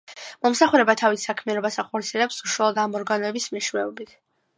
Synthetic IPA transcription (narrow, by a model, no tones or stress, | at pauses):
mɔmsaχuɾɛbat̪ʰavisakʰmianɔbasaχɔɾt̪sʰiɛlɛpsuʃwalˠɔd̪amɔɾɡanɔɛbismɛʃwɛɔbit̪ʰ